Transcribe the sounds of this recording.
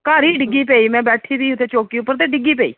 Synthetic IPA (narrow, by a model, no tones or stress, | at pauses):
kaːɾiːɖɪɡiːpeːiːmɛ̃ːbɛːʈʰiːb̪iːʊt̪ʰːeːt͡ʃoːkiːʊpːəɾt̪eːɖɪɡiːpɛːḭː